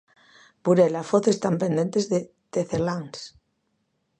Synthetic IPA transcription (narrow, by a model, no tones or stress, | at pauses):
buɾelafoθest̪ampend̪ent̪ezðe | d̪̥eθelaŋs